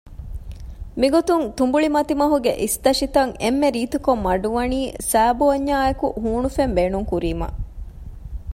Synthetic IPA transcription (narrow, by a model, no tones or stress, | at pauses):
miɡot̪unt̪umbuɭimɐt̪imɐɦuɡḛʔist̪ɐʃit̪ɐŋemːeɾiːt̪ukomːɐɖuʋɐniːsæːboɐɲːaːekṵʔɦuːnufembeːnuŋkuɾiːmɐ̰ʔ